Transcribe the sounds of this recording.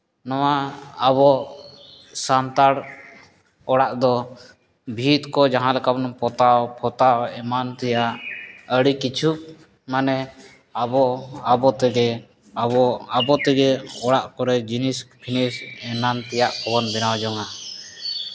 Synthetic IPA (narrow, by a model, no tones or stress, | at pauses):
nɔwaaβɔʔ | sant̪aɽ | ɔɽaʔd̪ɔ | bʱit̪kɔd͡ʒaɦãlɛkabnpɔt̪apʰɔt̪aɛmant̪ɛjaʔəɽikit͡ʃʰuk̚ | manɛ | abɔabɔt̪ɛɡɛ | abɔt̪ɛɡɛɔɽaʔkɔɾɛd͡ʒinispʰinisɛnant̪ɛjaʔkʰɔbɔnbɛnawd͡ʒɔŋa